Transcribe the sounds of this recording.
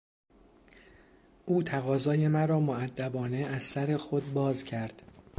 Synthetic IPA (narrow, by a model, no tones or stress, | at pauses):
ʔuːt̪ʰæɣɒːzɒːje̞mæɾɒːmoæd̪ːæbɒːne̞æzsæɾe̞xod̪̚bɒːzcʰæɾd̪̥